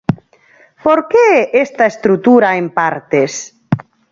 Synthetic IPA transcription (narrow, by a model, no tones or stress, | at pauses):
poɾkeɛʔest̪aest̪ɾut̪uɾaempaɾt̪es